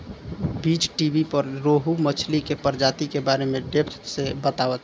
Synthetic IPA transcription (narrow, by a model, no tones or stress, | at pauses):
bit͡ʃʈibipəɾɾoɦumət͡ʃʰlikepəɾd͡ʒat̪ikebaɾemẽɖepʰt̪ʰsebət̪aʋət̪